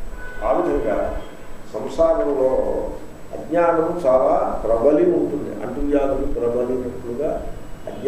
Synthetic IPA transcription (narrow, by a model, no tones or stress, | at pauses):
aːlid͡ʒɐŋɡaː | sɐmsaːɡɐmloː | ɐ̰ɡɲaːnɐmt͡ʃaːlaːpɾɐbɐlimɐwʈ̪und̪ḭʔɐ̰ɳʈujaːd̪ulupɾɐbɐlimɐpːuɽuɡaː | ɐ̰ɡɲ